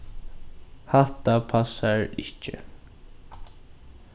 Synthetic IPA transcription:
haht̪apʰasːaɹɪ̰cːɪ̰

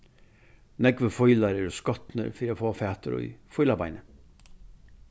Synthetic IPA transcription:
nɛɡʋəfɔʏlɑɾeɾʊskɔt̪nə̰ɾfiːɾafoːfæːt̪əɾo̰ḭfɔjlabɑɪnə

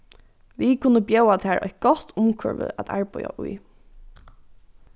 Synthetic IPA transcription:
ʋikʰʊnəbjɛʊat̪ʰhæːɹʔɔ̰ʏt̪̚ɡ̥ɔt̪ʰʊmkʰœ̰ɹʋə̰æt̪ʰæ̰ɹbɔʏa̰ʔʊj

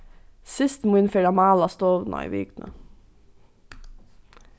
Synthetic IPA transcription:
sɪst̪muːɪnfeɖɑmɑːlɑst̪oːʋnɑ̰ḭːʋiːɡnʔə̰

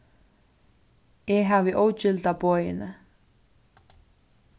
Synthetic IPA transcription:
jɛɦavɪʔoːwt͡ɕʏlt̪apɔːjɪ̰nɪ

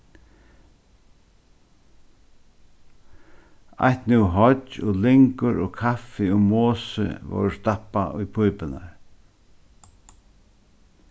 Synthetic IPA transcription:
a̰ht̪nɪwɦɔt͡ʃɔlɪŋkʊɾɔkʰafɪʊmoːsə̰vɔ̰wst̪apːaʔʊjpʰujpɪna̰ɹ

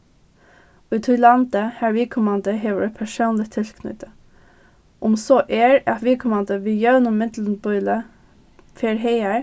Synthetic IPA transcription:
ʉt̪ʰuːlɑnd̪̥əhæɹʋiːkʰʊmɑnd̪əɦeːʋəɹɛpʰæʃoːnlɪt̪ʰɪlkʰnʏ̰t̪ə | ʔʊmsoʔeːɹɑt̪ʋiːkʰʊmɑnd̪əʋiːjœʉnʊmːɪd̪l̩n̩bʊʏlə | feːɹɦeɪæ

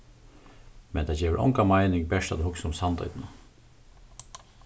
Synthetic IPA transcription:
mɛ̰nt̪ʰad͡ʒeːʋəɾʔɔ̰ŋkamaɪnɪŋbɛʂt̪ad̪hʊksʊmsand̪ɔ̰ʏt̪na

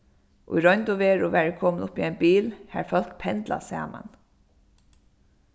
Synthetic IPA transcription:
ʔʊ̰jɹɔjnt̪ʊʋeːɹʊʋæːɹəkʰɔːmnʊpːiɛɪnbiːlhæɹfœl̥kpʰɛnt̪la̰sɛ̰ːma̰n

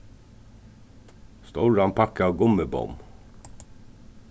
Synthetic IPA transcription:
st̪oɹɑnpʰɑkəɑːʋɡʊməbɔ̰m

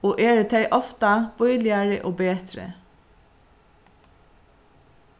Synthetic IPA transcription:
oːʔeːɹət̪ʰæɪʔɔft̪ɑb̥ɔʏlɪəɹəʔoːbeːt̪ɾə̰

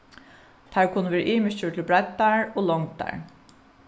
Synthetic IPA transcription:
t̪ʰæːɹkʰʊnːəʋeːɾəʔiːmɪt͡ʃuʈʰɪlbɹad̪aɹoːlɔŋt̪a̰ɹ

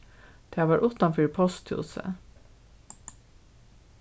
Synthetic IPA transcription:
d̪̥eːʋɑːʔʊːt̪ɑnfyːɹpʰɔst̪ʰjṵːsə̰

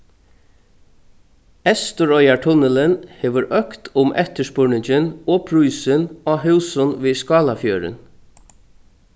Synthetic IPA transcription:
ɛst̪əɹɔjaɹʈʰʊnəlɪnheːʋəɾʔœkt̪ʰʊmʔɛ̰ht̪əʂpʊɹɳɪɲt͡ʃɪnɔːpʰɹuːsɪnɔɦʉwsʊnʋiːskɑːlafjøːɾɪ̰n

